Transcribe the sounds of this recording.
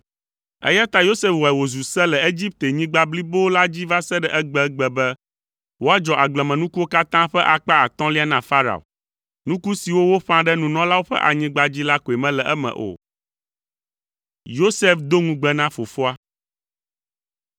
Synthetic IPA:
ɛ̰˦ja˦t̪a˦jo˦se˦fwɔ˨ɛ˨wo˨zu˨sɛ˦lɛ˨e˦d͡ʑi˦p̚t̪e˨ɲĩ˦ɡ͡ba˦bli˦bo˦la˦d͡ʑi˦va˦sɛ˦ɖɛ˨ʔɛ˦ɡ͡bɛ˦ɡ͡bɛ˨bɛ˦ | wo˦a˦d͡ʒɔ˨ʔa˨ɡ͡blɛ˨mɛ̃˨nũ˦ku˦wo˦ka˦t̪ã˦ɸɛ˦ʔa˨k͡pa˦a˨t̪ɔ̃˦li˦a˦nã˨fa˦ɾa̰˨o̰˨ | nũ˦ku˦si˨wo˦wo˦ɸã˦ɖɛ˦nũ˨nɔ̃˦la˦wo˦ɸɛ̰˦ʔa̰˨ɲĩ˦ɡ͡ba˦d͡ʑi˦la˦ko˨e˨mɛ̃˦lɛ˨ʔɛ˦mɛ̰̃˨ʔo̰˨ | jo˦se˦fd̪o˦ŋũ˦ɡ͡bɛ˦nã˦fo˨fo˦a˦

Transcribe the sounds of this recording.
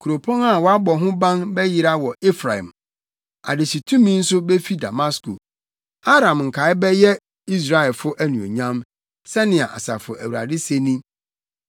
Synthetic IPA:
kʰu˨ɾo˨pʰɔ̃˦na˦˨wɔ˦a˦bɔ˨ɦʊ̃˦bã˦nbɛ˦ji˨ɾa˦wɔ˨ʔe˦fɾa˨hɛ̰̃˨m | a̰˨dɪ˨ɕi˨tʰũ˦mĩ˦n̩˦sʊ˦be˦fi˦da̰˨ma˦sko̰˨ | a˦ɾã˨mŋ̩˨kʰa˨ɪ˦bɛ˦jɛ˦ | i˦s̬ɾa˨ɛ˨lfʊ˦ʔæ˦nũ˨o̰˨ɲã˦m | sɛ˦nɪ̃˨a̰˨ʔa̰˨sa̰˨fʊ̰˨ʔæ˨wu˨ɾa̰˨dɪ˦se˦nĩ˦

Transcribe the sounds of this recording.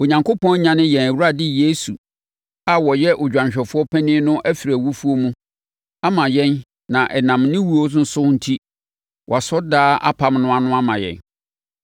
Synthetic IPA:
o˨ɲã˨ŋkʰo˦pɔ̃˦nɲã˦nɪ̃˦jɛ̃˨næ˨wu˦ɾa˦˨dɪ˦je˦su˨ | a˨wɔ˨jɛ˦ʔʊ˨d͡ʑᶣã˨ɲɕᶣɛ˨fʊ˦ɔ˦pʰɛ˦nɪ̃˦nʊ̃˦ʔæ˦fi˨ɾæ˨wu˦fu˦o˦mũ˦ | a˦mã˨jɛ̃˦n | nã˨ʔɛ˨nã˨mnɪ̃˦wu˦o˦sn̩˨sʊ˦n̩˦tʰi˦ | wɔ˨a˨sɔ˦daː˦ʔa̰˦pʰa˦mnʊ̃˦a˨nʊ̃˦a˦mã˨jɛ̰̃˨n

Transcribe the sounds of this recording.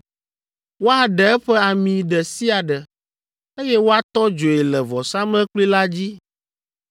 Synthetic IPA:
wo˦a˨ɖɛ˨ɛ˦ɸɛ˦a˨mĩ˨ɖɛ˨si˦a˨ɖɛ˨ | e˦jɛ˦wo˦a˨t̪ɔ˦d͡ʒo˨e˨lɛ˨vɔ˨sa˦mɛ̃˦k͡pli˦la˦d͡ʑi˦

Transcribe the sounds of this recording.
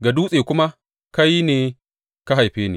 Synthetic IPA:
ɡa˨duː˦sʼeː˨kʷʊ˦ma˦ | ka˦ji˦neː˨ | ka˦ɦa˨jɸeː˦nḛː˨

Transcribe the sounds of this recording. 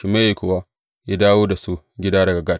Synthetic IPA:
ʃi˨me˦ji˨kʷʊ˨wa˦ | ja˦daː˦woː˦da˨su˦ | ɡʲɪ˦daː˦dɐ˨ɡa˨ɡa˦˨t̚

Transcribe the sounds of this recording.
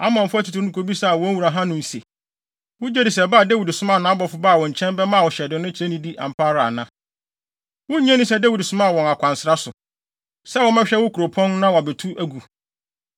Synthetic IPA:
a˦mã˨m̩˨fʊ˦æ˦tʰu˨tʰu˨˦nũ˨kʰo˨bi˦sa˦˨wɔ̃˦n˦wu˨ɾa˨ɦã˦nʊ̃˨n̩˨se˨ | wʊ˦d͡ʑɛ˦dɪ˨sɛ˨baː˦˨dæ˦wi˨dsʊ̃˦mã˦˨nã˨˦bɔ˨˦fʊ˨˦baː˦˨wɔ̃˨ɲ̩˨t͡ɕʰɛ̃˦mbɛ˦mã˦˨wɔ˨ɕɛ˨dɪ̃˨nʊ̃˦t͡ɕʰɾe˦nĩ˦di˦ʔã̰˨m̩˨pʰaː˦ɾa˨nã˦ | wʊ˦ɲɛ̃˦nʊ̃˦sɛ˦dæ˦wi˨dsʊ˦mã˦˨wɔ̃˨na˨kʷʰã˨nsɪ˨ɾa˦sʊ˨ | sɛ˦˨wɔ˦mɛ̃˦ɕᶣɛ˦wʊ˦kʰu˨ɾo˨pʰɔ̃˦n˦nã˦wa˨bɛ˨tʰu˦ʔæ˨ɡu˨

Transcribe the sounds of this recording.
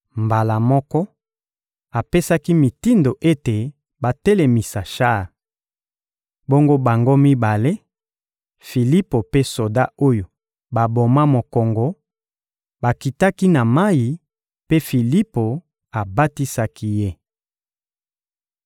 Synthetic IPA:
mba˨la˨mɔ˦kɔ˦ | a˨pe˦sa˦ki˦mi˨ti˦ndo˨ʔe˦te˨ | ba˨te˦le˨mi˨sa˨ʃa˦˨ | bo˦ŋɡo˦ba˨ŋɡo˦mi˦ba˨le˦ | fi˨li˦po˨pe˦so˨da˦o˦jo˨ | ba˨bo˨ma˦mo˨kɔ˨ŋɡo˨ | ba˨ki˨ta˦ki˦na˨ma˦ji˨ | pe˦fi˨li˦po˨ | a˨ba˦ti˦sa˦ki˦je˦

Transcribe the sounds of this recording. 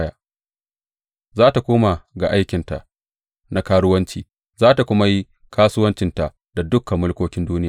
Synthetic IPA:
jaː˨ | zaː˦ta˨kʷoː˦ma˨ɡa̰˨ʔa˦jkʲɪ˨nta˨ʔ | na˦kaː˦ɽʊ˦wɐ˦nt͡ʃiː˨ | zaː˦ta˨kʷʊ˦ma˦ji˦ | kʰaː˦sʊ˦wɐ˦nt͡ʃɪ˨nta˨ʔ | d̥a˨dʊ˦kːa˨mːʊ˦lkʷoː˦kʲɪ˦nduː˦nɪ˦jaː˨

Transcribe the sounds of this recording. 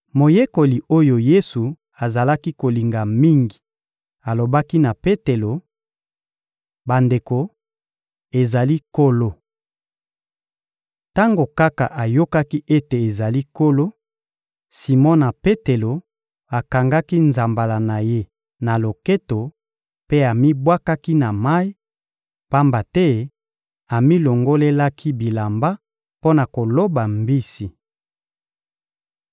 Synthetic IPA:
mo˨je˦ko˨li˨o˦jo˨je˦su˨ | a˨za˨la˦ki˦ko˨li˨ŋɡa˨mi˦ŋɡi˨ | a˨lo˨ba˦ki˦na˨pe˦te˨lo˨ | ba˨nde˨ko˨ | e˨za˨li˦ko˦lo˦ | ta˦ŋɡo˨ka˦ka̰˨ʔa˨jo˦ka˦ki˦ʔe˦te˨e˨za˨li˦ko˦lo˦ | si˨mɔ˦na˨pe˦te˨lo˨ | a˨ka˨ŋɡa˦ki˦nza˨mba˨la˨na˨je˦ | na˨lo˨ke˦to˨ | pe˦a˨mi˦bwa˦ka˦ki˦na˨ma˦i˦ | pa˦mba˨tɛ˦ | a˨mi˦lo˨ŋɡo˦le˦la˦kʰi˦bi˨la˨mba˦ | po˦na˨ko˨lo˦ba˨mbi˦si˨

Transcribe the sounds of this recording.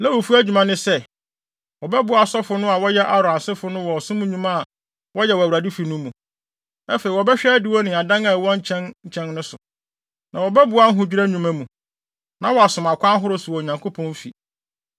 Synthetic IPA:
lɛ˦wo˨fu˦æ˦d͡ʑᶣu˨mã˦nɪ̃˦sɛ˦ | wɔ˨bɛ˦bʊ˨˦a˨sɔ˦fʊ˦nʊ̃˦a˨wɔ˦jɛ˦ʔa˨ɾʊ˨ã˨sɪ˦fʊ˨˦nʊ̃˦wɔ˨ɔ˨sʊ̃˦mũ˦ɲũ˦mã˦a˨ | wɔ˦jɛ˨wɔ˨æ˨wɾa˨di˦fi˨nʊ̃˦mũ˨ | ɛ˦fe˨i˨wɔ˨bɛ˦ɕᶣɛ˦dɪ˨wɔ˦nɪ̃˨a˨dã˦ŋa˨wɔ̃˦ɲ̩˦t͡ɕʰɛ̃˦nɲ̩˨t͡ɕʰɛ̃˦nnʊ̃˦sʊ˨ | nã˨wɔ˨bɛ˦bʊ˨˦a˦ŋ̩˦ɦʊ̃˨d͡ʑᶣi˦ɾæ˦ɲũ˨mã˦mũ˨ | nã˦wɔ˨a˨sʊ̃˨ma˨kʷʰã˦n˦ɦʊ˦ɾʊ˦sʊ˨wɔ˨ɲã˨ŋkʰo˦pʰɔ̃˦n˦fḭ˨

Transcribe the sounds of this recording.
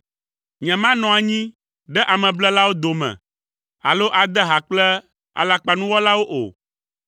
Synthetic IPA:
ɲɛ̃˨mã˦nɔ̃˨a˨ɲĩ˦ | ɖɛ˦ʔa˨mɛ̃˨blɛ˦la˦wo˦d̪o˨mɛ̰̃˨ | a̰˨lo˦ʔa˨d̪ɛ˦ɦa˨k͡plɛ˦ | a̰˨la˨k͡pa˨nũ˦wɔ˦la˦wo˦ʔo̰˨

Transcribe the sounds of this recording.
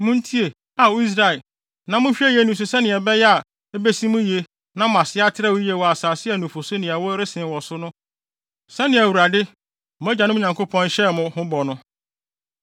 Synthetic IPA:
mʊ̃˦n̩˦tʰi˦e˨ | a˨wo˦i˦s̬ɾa˦ɛ˨ | nã˨mʊ̃˦ɕᶣɛ˦jɛ˦nʊ̃˨s̬ʊ˨sɛ˦nɪ̃˨ɛ˨bɛ˦jɛ˦a˨ | ɛ˦be˦sĩ˦mʊ̃˦ji˨e˨ | nã˦mã˨sɪ˦a˦tʰɪ˦ɾɛ˦wje˨wɔ˨a˨saː˨sɪ˦ɛ˨nũ˨fo˨so˦nɪ̃˨a˨wɔ˦ɾɪ˦sɪ̃˨wɔ˨sʊ˦nʊ̃˦ | sɛ˦nɪ̃˨æ˨wu˨ɾa˨dɪ˦ | mʊ̃˨˦æ˦d͡ʑã˨nʊ̃˦ɲã˨ŋkʰo˦pʰɔ̃˦nɕɛ˦˨mʊ̃˦hʊ̃˦bɔ˨nʊ̃˦

